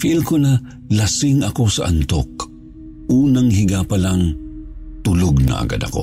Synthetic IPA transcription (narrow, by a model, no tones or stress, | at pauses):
filkʊla | lɐsɪŋɐko̞sɐʔɐ̰nt̪ok | ʔuːnaŋɦɪɡapɐlaŋ | t̪ʊloɡ̚nɐ̰ʔɐ̰ɡa̰d̪ɐ̰ko